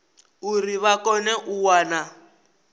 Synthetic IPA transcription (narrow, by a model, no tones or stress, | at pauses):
uriβakɔnɛʔuwaːna